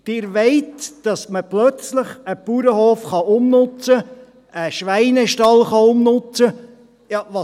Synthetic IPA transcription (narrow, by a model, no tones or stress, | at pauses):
d̥ɪːɾʋeɪtd̥ɑsməplœt͡sləχəpuɾəhoːfχɑʊmnʊt͡sə | ʔəʃʋæɪnɛʃtɑlχɑʊmnʊt͡sə | jɑʋɑ